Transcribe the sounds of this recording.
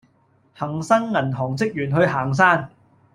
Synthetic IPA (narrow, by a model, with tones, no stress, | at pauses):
hɐ˨˩ŋsɐ˥nŋɐ˨˩nɦɔː˨˩ŋt͡sɪ˥k̚jyː˨˩nɦɵ˧ɥɦaː˨˩ŋs̬aː˥n